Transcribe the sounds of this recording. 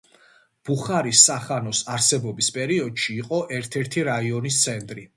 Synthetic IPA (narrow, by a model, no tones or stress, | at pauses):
b̥uχaɾisːaχanɔsaɾsɛbɔbispʼɛɾiɔd̪ʃiːqʼɔʔɛɾt̪ʰɛɾt̪ʰiɾaiɔnist̪sʰɛnt̪ʼɾi